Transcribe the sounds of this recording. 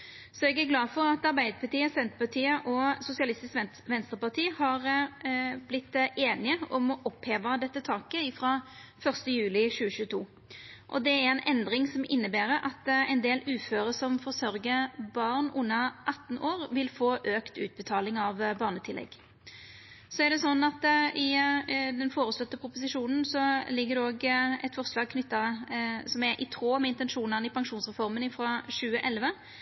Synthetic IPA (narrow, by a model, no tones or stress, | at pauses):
sɔɛɡæʁɡlɑːfɔʁɑt̪ɑʁbæɪd̪əpʰɑʁt̪iːəsɛnt̪əpɑt̪ʰiːəʔɔsʊsɪɑlɪst̪ɪsk | ʋɛnst̪əpɑʁt̪ʰiːhɑʁ | blɪt̪ːʔeːnɪəɔmɔʔɔpheːʋəd̪ɛt̪ːət̪ʰɑːkəɪfʁɑ | fœʁst̪əjʉːlɪɕʉːəɕʉːət̪ʰuː | ʔɔ̰d̪ɛæʁɛnʔɛnd̪ʁɪŋsɔmʔɪnːəbæːɾəʔɑt̪ɛnd̪eːlʉːføːʁəsɔmfɔʁsœɾɡəbɑʁnʊnːɑʔɑt̪ːn̩ʔoːʁʋɪlfoːʔøːkt̪ʉ̰ːt̪̚bət̪ʰɑːlɪŋɑʋbɑːʁnət̪ʰɪlːɛ̰ɡ | sɔæʁɖ̪ɛsɔnːɑt̪ɪd̪ɛnfoːɾəslɔt̪ːəpʰɾʊpʊsɪʂuːnn̩sɔlɪɡːəd̪ɛoːɡɛt̪fɔʁslɑːɡ̚kʰnʏt̪ːɑsɔmæɾʔɪ̰t̪ʰʁoːmɛɪnt̪ɛnʂuːnənɪpʰɑŋʂuːnsʁɛfɔʁmənɪfɾɔɕʉːəʔɛlʋə